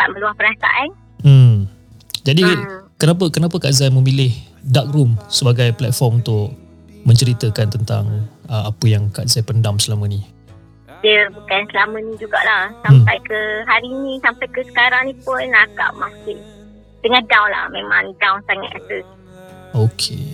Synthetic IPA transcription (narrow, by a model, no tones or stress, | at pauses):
pa̰t̪̚mə̃luahpəɾasa̰ʔan | m̩ | d͡ʒadikənap̬əkənapəkazajmə̃milɪh | dak̚ɾumsəbaɡajplɛt̪̚fɔrmunt̪ʊʔ | mə̃ɲt͡ʃəɾit̪əkant̪ənt̪a̰ŋəapəjaŋkaʔzajpəndamsəlamə̃ni | diəbukansəlamə̃nĩd͡ʒuɡa̰ʔlahsampajkəɦaɾinĩsampajkəsə̥kaɾaŋnĩpʊnaɡa̰ʔmakɪn | dəŋadawnla̰hmemã̰ŋdawnsaŋa̰t̪at̪ə | okʰe